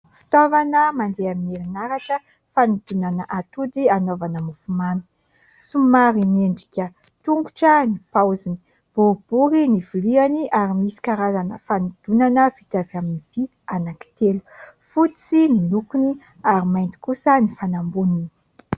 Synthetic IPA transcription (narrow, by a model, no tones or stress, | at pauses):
fi̥t̪ovanəmand̪eamineɾinaɾaʈ͡ʂə | fanud̪̥unanəʔat̪ud̪ianovanəmufumani̥ | sumaɾimeɳɖ͡ʐi̥kʲə | t̪uŋɡuʈ͡ʂənipawzini̥ | b̥ob̥uɾinivulianiʔaɾimisi̥kaɾazanəfanud̪̥unanəv̥it̪avaminiv̥i | anaki̥t̪elu̥fut͡sininukuni | aɾimajnt̪i̥kusənifanambunini̥